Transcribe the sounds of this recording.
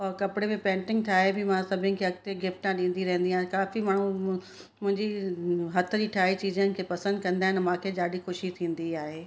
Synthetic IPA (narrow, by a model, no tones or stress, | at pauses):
ɔɾkɐpɪɽemẽpɛ̃ːɳʈɪ̃ŋɡ̚t̪ʰaːɦebɪmãsɐbʱɪnɪ̆kʰeːɐɡ̚t̪eɡɪfʈãɗĩːn̆d̪iɾɐɦə̃n̆d̪iaːɦɪ̃kaːfimaːɳ̤u | mʊ̃ɦɪ̃ɲd͡ʑiɦɐt̪ʰə̆d͡ʑiːʈʰaːit͡ɕiːzənɪ̆kʰeːpɐsə̃nd̪kɐ̃nd̪aːɦɪnmãːkʰed͡ʑaːɗixʊʃit̪ʰĩːn̆d̪iaːɦeː